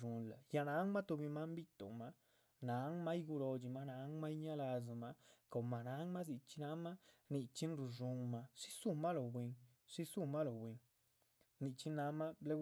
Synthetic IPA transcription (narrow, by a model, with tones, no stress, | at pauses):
u˨nla˨ja˧na˨˦ŋma˦t̪o˧bi˧ma˦mbi˦t̪o̰˨ma˧ | na˨˦ŋma˦jɡu˧ɾo˧d͡ʒi˧ma˦na˨˦ŋma˦jɲa˦la˧z̬a˨ma˧ko˨ma˨na˨˦ŋma˦zi˧t͡ʃi˧na˧˦ma˦ni˧t͡ʃi˦nɾu˨ʐu˧ŋma˧ʂi̥˦su˦˧ma˦lo˨bwe˧ŋ | ʂi˦su˦ma˦lo˨bwe˧ŋ | ni˧t͡ʃi˦na˧˦ma˦ble˦